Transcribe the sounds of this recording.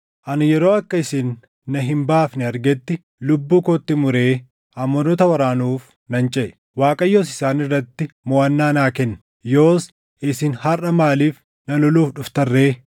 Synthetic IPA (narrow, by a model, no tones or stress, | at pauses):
ʔɐnjɛɾoːɐkːɐɪsɪːnː | ɐɦɪmbaːfnɪɐɾɡɛt̪ːɪ | lʊbːuːkot̪ːɪmʊɾe̞ː | ʔɐmːɔnɔt̪ɐwɐɾaːnuːf | nɐnt͡ʃʼɛʔ | waːkʼɐjːoːsɪsaːnɪrːɐt̪ːɪmɔɐnːaːnaːkɛnː | jo̞ːs | ʔɪsɪnhɐrɐmaːliːf | nɐlɔluːfɗʊft̪ɐrːe̞ː